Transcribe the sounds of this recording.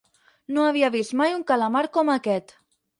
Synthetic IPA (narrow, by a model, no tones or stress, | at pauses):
noaβiaβist̪majuŋkalamaɾkɔmakɛt̪